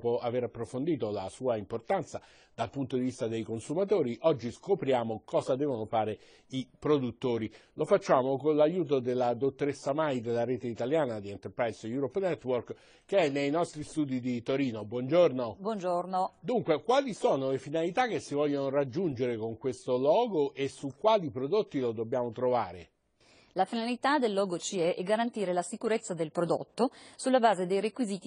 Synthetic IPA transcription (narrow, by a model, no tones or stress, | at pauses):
poaveɾapːɾofond̪iːt̪olasuːaimport̪ant̪sa | d̪̥alpunt̪od̪ivist̪ad̪ejkonsumat̪oːɾiʔɔd͡ʒːiskopɾjaːmokɔːzad̪ɛːvonofaːɾe | ipɾod̪ut̪ːoːɾilofat͡ʃːaːmokonlajuːt̪̬od̪elːad̪ot̪ːoɾesːamajd̪elːaɾeːt̪eit̪aljaːnad̪ient̪erpɾajsjuːɾɔpːnɛt̪ːwork | kːeɛnːejnɔst̪ɾist̪uːd̪id̪it̪oɾiːnobwɔnd͡ʒornobwɔnd͡ʒornod̪uŋkwekwaːlisoːnolefinalit̪ak̟ːesivɔʎjːonoɾad͡ʒːund͡ʒeɾekoŋkwest̪olɔːɡoʔesukːwaːlipɾod̪ot̪ːilod̪obːjaːmot̪ɾovaːɾḛ | lafinalit̪ad̪elːɔːɡot͡ʃiɛʔɛɡaɾant̪iːɾelasikuɾet̪sːad̪elpɾod̪o̰t̪ːosulːabaːzed̪ejɾekwiziːt̪i